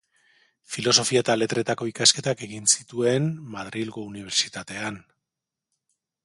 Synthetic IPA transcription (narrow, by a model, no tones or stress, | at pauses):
filo̞so̞fiat̪ale̞t̪ɾe̞t̪ako̞ikaske̞t̪ake̞ɣinsit̪ue̞nmaðɾilɣouniβ̞e̞ɾt͡sit̪at̪e̞an